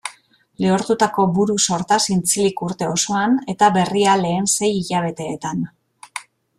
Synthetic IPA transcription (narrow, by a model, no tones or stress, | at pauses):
leoɾt̪ut̪ako̞buɾuso̞ɾt̪asint͡silikuɾt̪e̞o̞so̞ane̞t̪aβe̞riale̞ːnse̞jiʎaβ̞e̞t̪e̞ːt̪an